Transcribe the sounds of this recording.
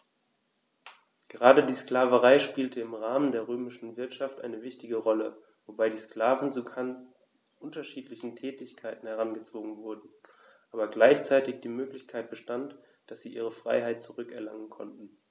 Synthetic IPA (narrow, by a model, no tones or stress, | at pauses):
ɡ̥əʁaːdədiːskl̥aːvəʁaɪʃpiːltəɪmʁaːməndeːɐʁøːmɪʃn̩vɪɐtʃaftʔa̰ɪnəvɪçtɪɡəʁɔlə | vobaɪdiːskl̥aːvn̩t͡su | ʔʊntɐʃiːtlɪçn̩tʰɛːtɪçkʰaɪtn̩hɛʁanɡət͡soːɡŋ̩vʊɐdn̩ | ʔaːbɐɡlaɪçt͡saɪtɪçd̥iːmøːklɪçkʰaɪt̚b̥əʃtant | d̥asz̥iːʔiːʁ̞əfʁ̥a̰ɪɦaɪt̚t͡suʁʏkɛɐlaŋənkʰɔ̰ntn̩